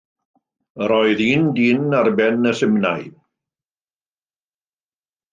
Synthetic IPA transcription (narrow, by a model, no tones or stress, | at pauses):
əɾɔɨðiːndiːnarbɛnəsɪmnaj